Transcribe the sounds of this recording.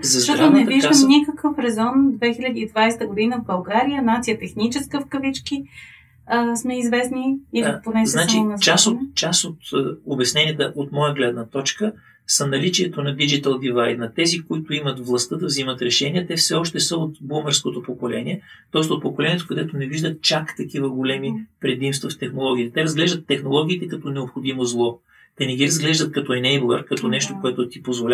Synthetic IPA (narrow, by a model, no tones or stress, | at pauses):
zɐzʃt̪ɔɾt̪onɛviʒd̪əmnikəkəfɾɛzɔnd̪vɛxilʲɐd̪iːd̪vajst̪əɡʊd̪inəvbɐlˠɡaɾijənat̪sijət̪ɛxnit͡ʃɛskəfkəvit͡ʃki | əsmɛizvɛsniiiponɛsznat͡ʃint͡ʃasot̪t͡ʃasot̪obɛsnɛniət̪əʔot̪mɔjəɡlɛd̪nət̪ɔt͡ʃkə | sɐnɐlit͡ʃiɛt̪onɐd̪id͡ʒit̪əlˠd̪ivajt̪nɐt̪ɛzikoit̪ʊimət̪vlˠɐst̪ɤd̪ɐvzimət̪ɾɛʃɛniɛt̪ɛfsɛɔʃt̪ɛsəot̪boməɾskot̪opokolɛniɛt̪ɔɛst̪ot̪̚pokolɛnʲiɛt̪okɐd̪ɛt̪onɛviʒd̪ət̪̚t͡ʃakt̪ɐkivəɡolɛmipɾɛd̪imst̪vɐft̪ɛxnolˠɔɡʲiːt̪ɛt̪ɛɾɐzɡlɛʒd̪ət̪ːɛxnolˠɔɡ̟ʲiːt̪ɛkɐt̪ɔnɛopxod̪imozlˠɔ | t̪ɛnɛɡʲiɾɐzɡlɛʒd̪ət̪̚kɐt̪ɔɛnɛjblˠə̰ɾkɐt̪ɔnɛʃt̪okoɛt̪ʊt̪ipozvolʲ